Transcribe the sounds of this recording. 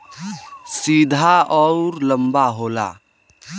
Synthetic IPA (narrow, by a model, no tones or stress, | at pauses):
siːd̪ʱaɔɾləmbaɦoːla̰